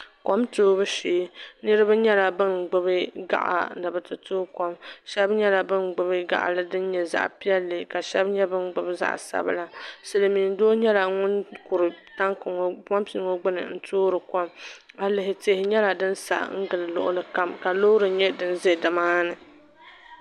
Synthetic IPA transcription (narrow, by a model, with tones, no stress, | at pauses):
ko˦mtoː˦bɨ˦ʃeː˨˦nɨ˦ɾɨ˦bɨ˦ɲɛ˦la˨bɨ˦nɡ͡bɨ˦bɨ˦ɡa̰˦ʔa̰˨nɨ˨bɨ˨tɨ˨toː˦kɔ˦mʃɛ˦bɲɛ˦la˨bɨ˦nɡ͡bɨ˨bɨ˦ɡa̰˦ʔa̰˨lɨ˦dɨ˦n˦ɲɛ˨za̰˦ʔpi˦ɛ˦lːɨ˨ka˨ʃɛ˦bɲɛ˦bɨ˦nɡ͡bɨ˨bza̰˦ʔsa̰˦bɨ̰˦la˦sɨ˨lɨ˨miː˨ndoː˦ɲɛ˦la˨ŋʊ˦nkʊ˨ɾɨ˨ta˦ŋkʊ˨ŋ˨pɔ˦mpi˨˦ŋo˦ɡ͡bʊ˦nɨ̰˨n̩˦tʰoː˦ɾɨ˨kɔ˦ma˨lɨ˨ɦɪ˨te˦hɪ˨ɲɛ˦la˨dɨ˦nsa̰˨ʔŋ̩˦ɡɨ˨lɨ˨lʊ̰˨ʔʊ̰˦lɨ˨ka˦mka˨lo˦ɾɨ˨ɲɛ˦dɨ˦n˦ze˦dɨ˨maː˦nɨ˨